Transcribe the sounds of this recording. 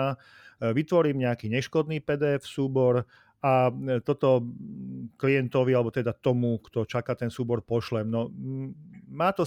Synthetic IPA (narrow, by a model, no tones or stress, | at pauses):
a | ʋit̪ʋɔɾiːmɲɛakiːɲɛʃkɔd̪niːpɛd̪ɛːfsuːbɔɾ | at̪ɔt̪ɔ | kliɛnt̪ɔʋialɛbɔt̪ɛd̪at̪ɔmukt̪ɔt͡ʃakaːt̪ɛnsuːbɔɾpɔʃlɛmnɔ | maːt̪ɔ